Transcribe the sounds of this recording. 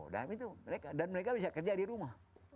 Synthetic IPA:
da̰mit̪uməɾekadanməɾek̬abisakərd͡ʒadiɾumah

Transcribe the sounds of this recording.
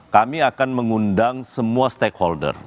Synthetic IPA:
kamiakanməŋundaŋsəmuast̪ɛkhɔldə̰r

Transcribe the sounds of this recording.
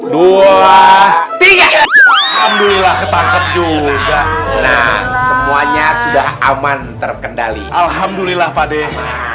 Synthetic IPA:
duat̪iɡaʔɡalhamdulilahkət̪at͡ʃət̪̚d͡ʒuɡaʔna̰hsəmuaɲasudahamant̪ərkəndalḭʔalɦamdulilahpadɛh

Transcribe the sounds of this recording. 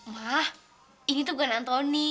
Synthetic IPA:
mah | ʔinit̪̬uɡanant̪ɔni

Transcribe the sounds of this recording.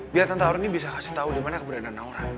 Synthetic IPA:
biart̪ant̪auɾunibis̬akasi̥ht̪audimanakəbəɾananauɾa

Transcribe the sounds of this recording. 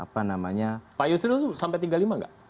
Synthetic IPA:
a̰panamaɲapajusit̪ut̪usampɛt̪̬iɡalimaŋɡa̰ʔ

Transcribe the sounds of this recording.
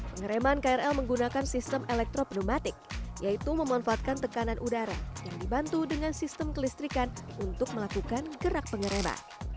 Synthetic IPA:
pəŋəɾemankaɛrɛlməŋɡunakansist̪əmʔelɛk̚t̪ɾopnomat̪ɪk̚jait̪uməmanfaat̪̚kant̪əkananʔudaɾa̰jaŋdibant̪udəŋansist̪əmkəlist̪ɾikanunt̪ʊk̚məlakukanɡəɾak̚pəŋəɾema̰

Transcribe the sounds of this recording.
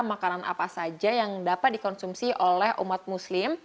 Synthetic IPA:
makanana̰pasad͡ʒajaŋdapat̪̚dikɔnsumsiʔolɛhʔṵmat̪̚muslɪm

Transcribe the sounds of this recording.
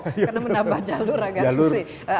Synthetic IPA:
jkənamənambahd͡ʒaluɾaɡad͡ʒalʊrsɪ | ə

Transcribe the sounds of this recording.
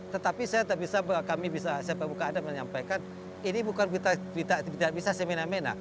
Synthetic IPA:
t̪ət̪apisajat̪aʔbisabkamibisasaapabukanːdaməɲampajkan | inibukanbit̪abit̪abt̪aʔbisasemenamena̰

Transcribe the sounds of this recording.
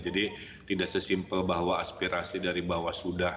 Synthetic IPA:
d͡ʒadit̪idaʔsəsimpəlbaɦwaaspiɾasidaɾibaɦwasuda

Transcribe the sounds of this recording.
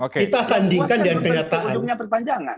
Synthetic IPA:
okit̪asandiŋkandnkəɲat̪aʔanumɲapərp̪aɲd͡ʒaŋa̰n

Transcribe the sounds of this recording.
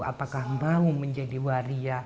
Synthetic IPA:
a̰pakahmbauməɲd͡ʒadiwaɾia

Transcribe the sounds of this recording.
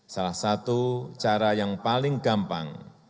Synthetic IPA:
salahsat̪ut͡ʃaɾajaŋpalɪŋɡampa̰ŋ

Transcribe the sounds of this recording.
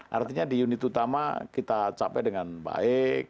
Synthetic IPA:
ʔa̰rt̪iɲadijunɪt̪ut̪ama̰kit̪at͡ʃapɛdəŋanba̰ɪk̚

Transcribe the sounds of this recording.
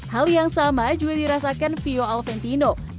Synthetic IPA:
haljaŋsamad͡ʒuɡadiɾasakanfioalfɛnt̪ino

